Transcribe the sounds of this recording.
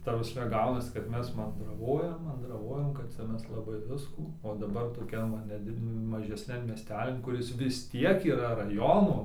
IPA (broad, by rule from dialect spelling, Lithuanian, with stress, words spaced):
ˈtɐ prɐsʲˈmʲɛ ˈɡɐʊnɐsʲɪ kɐt ˈmʲɛs mɐndrɐˈʋoːjɛm mɐndrɐˈʋoːjɛm kɐt ˈt͡sʲɛ ˈmʲɛs lˠɐˈbɐɪ ˈʋʲɪskuː oː dɐˈbɐr toːˈkʲɛn ˈʋɐ nʲɛˈdʲɪt mɐʒʲɛˈsʲnʲɛn mʲiɛˈsʲtʲæːlʲɪn kʊˈrʲɪs ʋʲɪs ˈtʲiɛk iːrɐ rɐˈjoːnoː